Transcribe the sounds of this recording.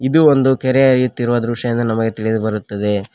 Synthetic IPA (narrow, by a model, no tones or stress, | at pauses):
id̪uond̪ukɛɾeɐɾijut̪ːiɾuʋɐd̪ɾuʂɐjind̪ɐnɐmɐɡet̪iɭid̪bɐɾut̪ːɐd̪e̞